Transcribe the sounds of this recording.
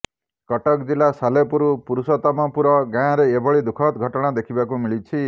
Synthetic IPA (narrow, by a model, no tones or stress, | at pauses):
kɔʈɔkd͡ʒilasalepuɾupuɾusɔt̪ɔmɔpuɾɔɡãɾeːbɔɭid̪ukʰɔt̪ɡʱɔʈɔɽ̃ad̪ekʰibakumiɭit͡ʃʰi